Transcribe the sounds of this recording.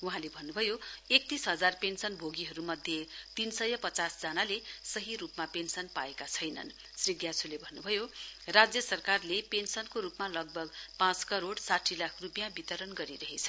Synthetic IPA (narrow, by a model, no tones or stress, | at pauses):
uɦãlebʱʌnːubʱʌjoek̚t̪isɦʌd͡zarpensʌnbʱoɡiɦʌɾumʌd̪ʱjet̪insʌjʌpʌt͡sasd͡zʌnalesʌɦiɾupmapensʌnpaekat͡sʰʌjnʌ̰n | sriɡjat͡sʰulebʱʌnːubʱʌjorad͡zjʌsʌrkarlepensʌnkoɾupmalʌɡ̚bʱʌɡpãt͡skʌɾoɽsaʈʰilakʰrupjãbit̪ʌɾʌnɡʌɾiɾʌɦet͡sʰʌ